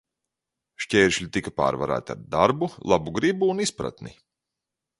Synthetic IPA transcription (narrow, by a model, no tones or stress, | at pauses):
ʃcʲeːɾʃlʲit̪ikapa̰ːɾva̰ɾæ̰ːt̪a̰ɾd̪aɾbulˠabuɡɾibuːnispɾa̰t̪nḭ